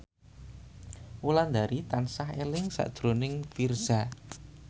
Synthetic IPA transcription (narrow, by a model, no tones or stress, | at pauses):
uland̪aɾit̪ansahelɪŋsa̰ʔd̥ʒ̥ɾo̤nɪŋfirz̥a